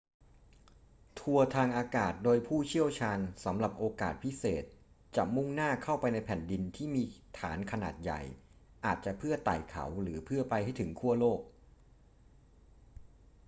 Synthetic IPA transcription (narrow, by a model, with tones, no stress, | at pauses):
t̪ʰu˧ɐt̪ʰaː˧ŋʔaː˧kaː˨˩t̪̚doː˧jpʰuː˥˩t͡ɕʰi˥˩əwt͡ɕʰaː˧nsa˩˦mɾa˨˩p̚ʔoː˧kaː˨˩t̪̚pʰi˦˥seː˨˩t̪̚ | t͡ɕa˨˩mu˥˩ŋnaː˥˩kʰa˥˩wpa˧jna˧jpʰɛ˨˩ndi˧nt̪ʰiː˥˩miː˧t̪ʰaː˩˦nkʰa˧na̰ː˨˩t̪̚ja̰˨˩j | ʔaː˨˩t̪̚t͡ɕa˨˩pʰɯ˥˩ɐt̪a̰ː˨˩jkʰa̰˩˦wɾɯː˩˦pʰɯ˥˩ɐpa˧jha˥˩jt̪ʰɯ˩˦ŋkʰu˥˩əloː˥˩k̚